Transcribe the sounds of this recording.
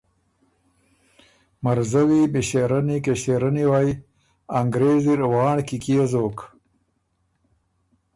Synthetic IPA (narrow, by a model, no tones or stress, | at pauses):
maɾzawimiɕeɾanikeɕeɾaniwaːj | aŋɡɾeːziɾwɑːɳkikiezoːk